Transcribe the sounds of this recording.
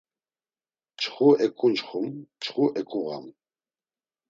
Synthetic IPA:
t͡ʃʰχuɛkʼunt͡ʃχumt͡ʃʰχuʔɛkʼuɣa̰m

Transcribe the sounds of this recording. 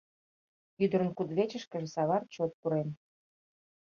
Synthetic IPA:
yd̪əɾə̆nkud̪βet͡ɕə̆ʃkə̆ʒĕsɑβɑrt̪̚t͡ɕot̪̚puɾen

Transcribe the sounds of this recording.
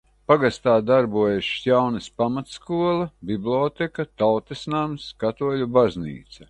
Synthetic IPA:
paɡast̪aːd̪aɾbuɔjeʃjawnɐspamat̪skuɔlˠɐbiblʲɔːt̪ɛkɐt̪awt̪esnamskat̪uɔlʲubaznḭːt̪sɐ

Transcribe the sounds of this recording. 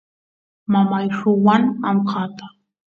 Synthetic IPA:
mamajʂʊwanamqʰɑːt̪ḁ

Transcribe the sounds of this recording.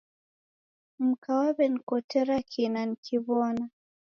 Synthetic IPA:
m̩kawaβɛnikɔtɛɾakʰinanikʰiβɔna

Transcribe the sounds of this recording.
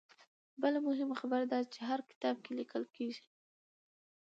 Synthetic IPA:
bəlamʊɦɪmxabaɾd̪ɑd̪t͡ʃeɦaɾkɪ̥t̪ɑb̚kelikəlkeʒi̥

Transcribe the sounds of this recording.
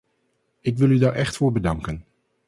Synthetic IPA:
ɪk̬ʋɪlˠydaɹʔɛχtfʊːɹbədɑŋkən

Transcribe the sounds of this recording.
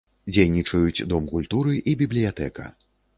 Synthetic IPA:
d͡zʲejnʲit͡ʂɐjut͡sʲd̪ɔmkulʲt̪uɾɨʔibʲiblʲijat̪ɛkɐ̰

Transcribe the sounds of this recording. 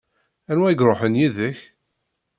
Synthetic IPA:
ænwæjɡɾˤoħənjiðəç

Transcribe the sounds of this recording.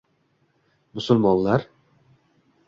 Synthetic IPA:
mʊsʊlmɒnlaɾ

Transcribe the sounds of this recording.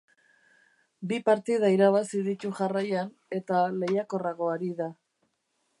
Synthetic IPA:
bipaɾt̪iðaiɾaβasiðit̪uʝarajan | e̞t̪ale̞jako̞raɣo̞aɾiða

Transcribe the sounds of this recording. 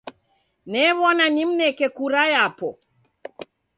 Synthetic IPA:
nɛβɔnaɲimnɛkɛkuɾajapɔ

